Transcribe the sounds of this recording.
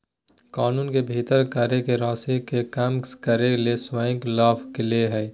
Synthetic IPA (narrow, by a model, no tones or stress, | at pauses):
kaːnuːnkebʱit̪əɾkaɾekeɾaːsekekaːmkəɾeleswaːɪ̃klaːpʰkeleɦɛː